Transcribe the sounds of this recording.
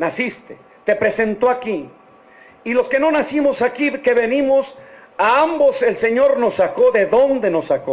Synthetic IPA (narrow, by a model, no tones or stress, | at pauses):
nasist̪e | t̪e̞pɾe̞se̞nt̪o̞aki | ilo̞ske̞no̞nasimo̞sakike̞βenimo̞s | aambo̞se̞lse̞ɲo̞ɾno̞sːako̞ðe̞ðo̞nd̪e̞no̞sːako̞